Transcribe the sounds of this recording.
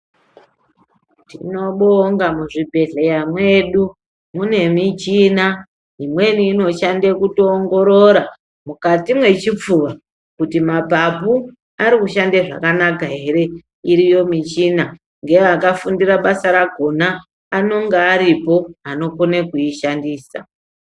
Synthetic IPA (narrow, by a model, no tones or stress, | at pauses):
tḭno̞ɓoŋɡamuʐibʱe̞ɮe̞jamwe̞ɗu | mune̞mit͡ʃina | imwe̞niːno̞ʃandekutoːŋɡo̞ɾo̞ɾa | mukatimwe̞t͡ʃip͡fuʋa | kutimabʱapu | aɾikuʃandeʐa̰kanak̬aɦe̞ɾe̞ | iɾijo̞mit͡ʃina | ŋɡe̞akafundiraɓasaɾaɡʱo̞naː | no̞ŋɡeːɾipo̞ano̞ko̞nekuiʃandiːsa̰